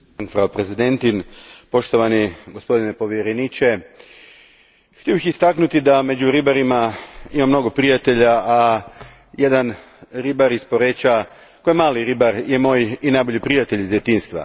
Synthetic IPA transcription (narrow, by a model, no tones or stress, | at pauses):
anfɾaopɾezid̪e̞nt̪inpo̞ʃt̪o̞ʋaniɡo̞spo̞d̪inepo̞ʋjeɾenit͡ʃe̞ | xt̪ijo̞bixist̪aknut̪id̪ame̞d͡ʒuɾibaɾimaimamno̞ɡo̞pɾijat̪e̞ʎaː | je̞d̪an | ɾibaɾispo̞ɾet͡ʃa | kojemaːliɾibaɾje̞mo̞ːjinajbo̞ʎipɾijat̪e̞ʎizjet̪iːnst̪ʋa̰